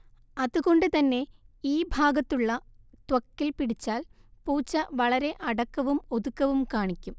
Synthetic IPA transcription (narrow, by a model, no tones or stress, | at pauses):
ɐðuɣo̞ɳɖɨt̪ɐnːe̞iːbʱaːɡɐt̪ːuɭːɐ | t̪wɐkːilpiɽit͡ɕːaːlpuːt͡ɕːɐʋɐɭɐɾe̞ʔɐɽɐkːɐʋumoðukːɐʋumkaːɳikʲːum